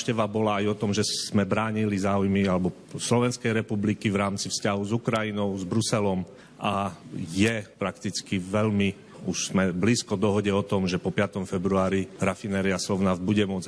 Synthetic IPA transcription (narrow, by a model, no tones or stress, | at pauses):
ʃcɛʋabɔlaːjɔt̪ɔmʒɛ̥mɛbɾaːɲilizaːujmialɛbɔ | slɔʋɛnskɛjɾɛpublikivɾaːmt͡sifscaɦuzukɾajinɔʊzbɾusɛlɔm | ʔajɛpɾakt̪it͡skiʋɛʎmi | uʃz̥mɛbliːskɔd̪ɔɦɔɟɛɔt̪ɔmʒɛpɔpɪat̪ɔmfɛbɾuaːɾiɾafinɛːɾiaslɔʊnavd̪̚buɟɛmʊɔd͡z